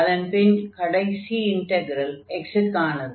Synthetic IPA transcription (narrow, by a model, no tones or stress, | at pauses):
ɐðɐnpenkɐɽɐjsiiɳʈeɡɾɐleksɪʈkaːɳɐð